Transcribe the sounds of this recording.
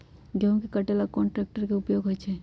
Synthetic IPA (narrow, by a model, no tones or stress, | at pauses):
ɡjãkekəʈelakɔɳʈɾeːk̚ʈəɾkeʊpjoːɡʱɦojt͡ʃʰe